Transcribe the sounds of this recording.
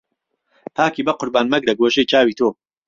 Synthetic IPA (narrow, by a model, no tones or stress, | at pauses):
p̪ʰaːkiːbɐqʊɾbaːnmɐɡlɐɡoːʒejt͡ʃʰaːwiːt̪ʰoː